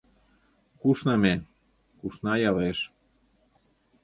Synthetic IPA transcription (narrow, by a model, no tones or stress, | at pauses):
kuʃnɑme | kuʃnɑjɑleʃ